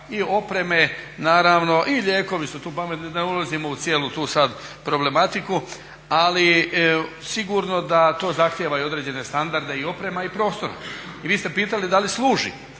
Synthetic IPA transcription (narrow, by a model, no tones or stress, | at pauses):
io̞pɾe̞me̞ | naːɾaːʋno̞ʔiʎʲeːko̞ʋisut̪uːpame̞t̪nid̪aulˠazimo̞ut̪sje̞ːlut̪uːsad̪pɾo̞ble̞mat̪iku | ali | siɡuɾno̞d̪at̪o̞ːzaxt̪jeʋajuo̞d̪ɾe̞d͡ʑe̞ne̞st̪and̪aɾd̪e̞io̞pɾe̞maipɾo̞ːst̪o̞ɾa̰iʋiːst̪e̞piːt̪alid̪alisluːʒḭ